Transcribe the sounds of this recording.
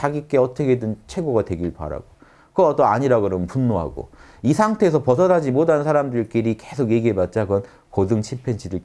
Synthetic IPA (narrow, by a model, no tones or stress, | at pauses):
t͡ɕaɡik͈e̞ʌt͈ʌkʰedɯnt͡ɕʰwe̞ɡoɡatwe̞ɡiɭpa̰ɾa̰ɡo | kɯat͈oaɲiɾaɡoɾompunːoɦa̰ɡo̰ | isʰaŋtʰe̞ːsʰʌpʌs̬ʰʌdad͡ʑimodannsʰaɾamdɯɭk͈iɾikesʰoɡje̞ɡiɦebat̚t͡ɕ͈aɡʌn | kodɯŋt͡ɕʰipʰent͡ɕʰidɯɭ